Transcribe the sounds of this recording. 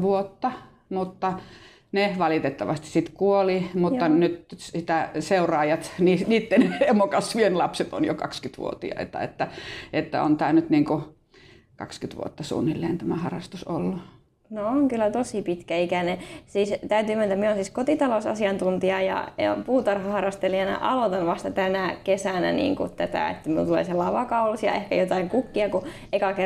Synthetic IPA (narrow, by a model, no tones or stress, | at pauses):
ʋuot̪ːɑ | mut̪ːɑ | neʋɑlit̪et̪ːɑʋɑst̪isit̪kuolimut̪ːɑnyt̪sit̪æseurɑːjɑt̪niːsniːt̪ːenhemokɑsʋienlɑpset̪o̰njo̰kɑ̰kskyt̪ʋṵo̰t̪ḭɑ̰ḛt̪ːɑ̰ḛt̪ːæet̪ːæ̰o̰nt̪æːnyt̪niːŋku | kɑ̰kskyt̪ʋṵo̰t̪ːɑsṵːnːilːeːnt̪æmæhɑrɑst̪usolːu | nooŋkylːæt̪osipit̪kæikænesiːst̪æyt̪yːment̪æmieonsiːskot̪it̪ɑlosɑ̰siɑnt̪unt̪iɑjɑ̰puːt̪ɑrhɑhɑrɑst̪eliɑnɑ̰ʔɑlot̪ɑnʋɑst̪ɑt̪ænækesænæ̰nḭːŋkṵt̪æt̪æ̰ḛt̪ːæminult̪ulḛselːɑiʋɑkɑulusjɑ̰ehkæ̰jot̪ɑiŋkukːiɑku | ʔekɑke